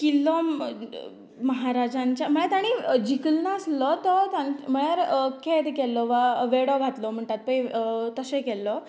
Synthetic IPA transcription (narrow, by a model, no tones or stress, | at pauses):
kilːɔ | məɦaɾad͡ʑãɲt͡ɕjam̤əɭjat̪aɽ̃id͡ʑʱikəlnaəslɔt̪ɔt̪ãnm̤əɭjaɾkʰed̪kɛlːɔʋaʋeɽɔɡʱat̪lɔm̤əɳʈ̪at̪̚pə̃it̪əsẽkɛlːɔ